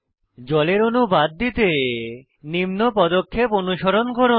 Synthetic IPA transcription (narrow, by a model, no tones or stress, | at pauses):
d͡ʑɔleɾonubad̪ːit̪e | nimnopɔd̪okʰːeponuʃɔɾonkoɾo